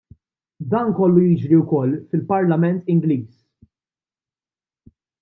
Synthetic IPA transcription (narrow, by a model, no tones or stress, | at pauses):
d̪ɐːnkɔlːujɪd͡ʒɾiwkɔlːfɪlpɐɾlɐmɛnt̪ɪŋɡliːs